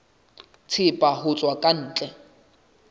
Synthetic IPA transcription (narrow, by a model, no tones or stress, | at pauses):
t͡sʰɪpʼaɦʊt͡sʼwakʼan̩ːt͡ɬʼɛ